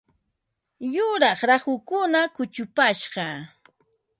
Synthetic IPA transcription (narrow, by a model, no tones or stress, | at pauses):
jʊɾɑχɾaχʊkʊnakʊt͡ʃʊpaʃɢɑ